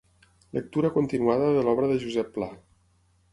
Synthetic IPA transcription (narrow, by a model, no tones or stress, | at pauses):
lək̚t̪uɾəkunt̪inuaðəðəlɔβɾəðəʒuzɛpːla